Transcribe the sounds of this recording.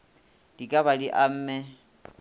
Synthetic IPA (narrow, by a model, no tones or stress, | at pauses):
d̥ikʼabadiʔam̩ːmɛ